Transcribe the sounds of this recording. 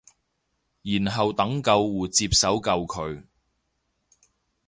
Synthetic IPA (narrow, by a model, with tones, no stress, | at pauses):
jiː˨˩nɦɐ˨wt̪ɐ˨˥ŋkɐ˧wːuː˨˩t͡siː˧p̚sɐ˨˥wkɐ˧wkʰɵ˨˧ɥ